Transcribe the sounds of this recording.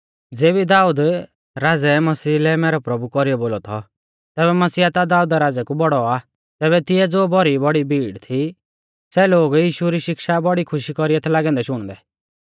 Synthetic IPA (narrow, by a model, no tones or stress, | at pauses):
d͡zeːbid̪aːuːd̪ | ɾaːd͡zɛmɐsiːlɛmɛːɾɔpɾɐbukɔɾijɔboːlɔt̪ʰɔ̰ | t̪ɛːβɛmɐsiːat̪ad̪aːuːd̪aɾaːd͡zɛkubɔɽɔa | t̪ɛːβɛt̪ɪɛd͡zoːbɔɾibɔɽibʱiːɽt̪ʰi | sɛloːɡjiːʃuɾiʃɪkʃabɔɽikʰʊʃikɔɾijɛt̪ʰɛlaːɡɛ̃ːnd̪ɛʃʊɽ̃d̪ɛ